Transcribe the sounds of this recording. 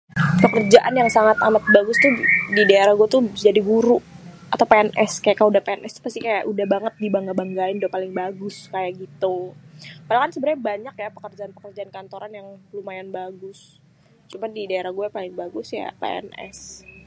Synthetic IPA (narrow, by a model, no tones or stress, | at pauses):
pəkərd͡ʒaʔanjaŋsaŋat̪amat̪̚baɡʊst̪ʊdidaeɾahɡuat̪ʊd͡ʒadiɡuɾuʔ | at̪awpeɛnʔɛskajaʔkːajudahpeɛnʔɛst̪u̥past̪ikajaʔudahbaŋət̪̚dibaŋɡabaŋɡaɪndpalɪŋbaɡʊskajaɡit̪u | palakansəbəɾɲabaɲakjapə̥kərd͡ʒaanpəkərd͡ʒaankant̪oɾanjaŋlumajanbaɡʊs | t͡ʃumadidaeɾahɡuɛpalɪŋbaɡʊsja̰pḛɛ̰nɛ̰s